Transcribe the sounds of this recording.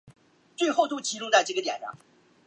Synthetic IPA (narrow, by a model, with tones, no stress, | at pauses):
t͡swe˥˧ɪxo˥˧ʊt̪o˥˧t͡ɕʰi˧˥ʈ͡ʂʊ˥˧ŋt͡sa˥˧ɪʈ͡ʂɤ˥˩ɡə˩t̪jɛ̰˨˩nʂɑ̰˥˩ŋ